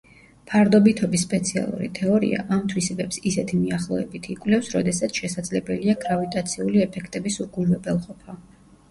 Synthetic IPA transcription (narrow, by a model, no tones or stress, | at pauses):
pʰaɾd̪ɔbit̪ʰɔbisːpʼɛt̪sʰia̰lˠṵɾḭt̪ʰɛɔɾḭa̰ʔamt̪ʰwisɛbɛpsisɛt̪ʰimiaχlˠɔɛbit̪ʰikʼwlɛfsɾɔd̪ɛsat̪sʰʃɛsad̪zlɛbɛliaɡɾavit̪ʼat̪sʰiuliɛpʰɛkʰt̪ʼɛbisuɡulvɛbɛlˠqʼɔpʰa